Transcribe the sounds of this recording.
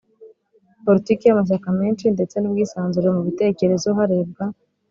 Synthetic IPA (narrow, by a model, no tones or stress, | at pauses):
po̞ɾitikijamaʃ̬akameːnʃinde̞t͡se̞nub̚ɡiːsaːnzuɾemuβite̞ke̞ɾe̞zoɦaɾe̞ːb̚ɡa